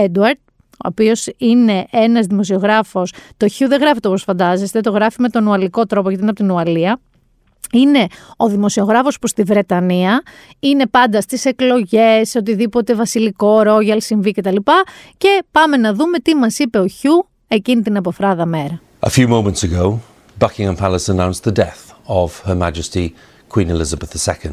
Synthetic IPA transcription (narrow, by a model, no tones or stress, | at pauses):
ed̪uɐɾd̪̥̚ | o̰ːpio̞sine̞ʔenɐzðimo̞sio̞ɣɾɐfo̞st̪o̞çuðeɣɾɐfit̪posfɐnd̪ɐze̞st̪e̞t̪o̞ɣɾɐfime̞t̪o̞nuɐliko̞t̪ɾo̞po̞ʝɐt̪inɐpot̪inuɐliɐ | ine̞o̞ðimo̞sio̞ɣɾɐfo̞spust̪ivɾe̞t̪ɐniɐ | ine̞pɐnd̪ɐst̪ise̞klo̞ʝe̞sot̪̬iðipo̞t̪e̞vɐsiliko̞ɾo̞ʝɐlsiɱvice̞t̪ɐlipɐce̞pɐme̞nɐðume̞t̪imɐsipe̞o̞çu | e̞cinit̪inɐpo̞fɾɐðɐme̞ɾɐ | ʔə̰fjʉːmõʊ̃mə̃ntsəɡoʊ | b̥ʌkɪ̃ŋə̃npʰaləsənãʊ̃nsðədɛθəv̥həma̰d͡ʒəsti | kʰw̥ĩːnɪlɪzəbəθðəsɛkə̃nd̥